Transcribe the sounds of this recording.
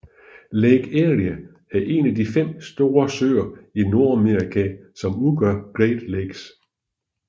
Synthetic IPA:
leɡ̥eʁiæ | æɐʔe̝̰næd̥ifem̰sd̥o̝ːɐsø̰ːɐino̝ɐ̰æmeʁikʰæsɒ̽muɡ̥ɶɐ̰ɡ̥ʁed̥leɡ̥s

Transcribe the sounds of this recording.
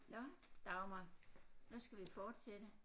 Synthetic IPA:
nɒ̽d̥ɑ̈ʊmɑnusɡ̥æʋifɒːd̥sed̥ə

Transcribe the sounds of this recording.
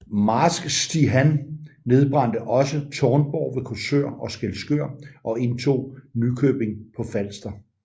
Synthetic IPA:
mɑ̈sɡ̥sd̥iɦænːe̝ð̞ˠb̥ʁɑ̈n̰d̥əʔɒ̽sət͡sʰɒːnb̥ɒʊ̰ʋe̝kʰosø̰ɐ̰ʔɒ̽sɡ̥elsɡ̥øɐ̰ʔɒ̽e̝nt͡sʰo̝̰ːnykʰøːb̥e̝ŋpʰɒ̽fæl̰sd̥ɐ

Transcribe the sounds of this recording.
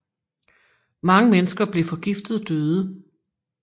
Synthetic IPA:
mɑ̈ŋəmenəsɡ̥ɐb̥le̝fɒ̽ɡ̥ifd̥ð̩ˠd̥øːð̞ˠə

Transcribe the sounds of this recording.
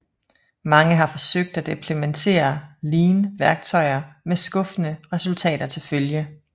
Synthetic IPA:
mɑ̈ŋəɦɑ̈fɒ̽søɡ̥̚d̥æd̥empʰlement͡sʰe̝̰ːɐliːnəʋæɐɡ̥̚t͡sʰɒ̽ɪɐmesɡ̥ɔ̽fənəʁɛsult͡sʰɛ̰ːd̥ɐt͡sʰe̝lføljə

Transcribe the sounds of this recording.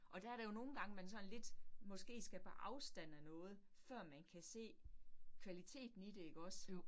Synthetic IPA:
ʔɒ̽d̥ææɐɾ̥ejo̝no̝ːn̩ɡ̥ɑ̈ŋəmænsɒ̽nle̝d̥mɒ̽sɡ̥e̝̰ːsɡ̥æb̥eʔɑ̈ʊsd̥æn̰ənɔ̽ːð̞̩ˠ | fɶɐ̰mænkʰæse̝̰ːkʰʋælit͡sʰe̝̰ːd̥n̩id̥e̝e̝ɡ̥ɒ̽s

